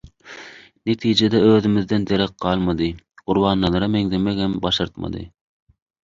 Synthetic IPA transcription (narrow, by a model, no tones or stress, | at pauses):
net̪ʰijd͡ʒed̪ɛøːðymiðd̪ɛnd̪eɾɛq̚qɑːlˠmɑd̪ɯ | ɢ̥uɾβɑːnːˠɑlˠɑɾɑmeŋd̪emɛkɛmbɑʃɑɾt̪mɑ̰d̪ɯ̰